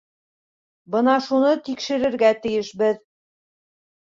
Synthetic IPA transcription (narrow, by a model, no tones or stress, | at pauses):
bɤnɑʃunɤt̪ikʃɘ̆ɾɘ̆ɾɡæt̪ɘ̆jɘʃbɘð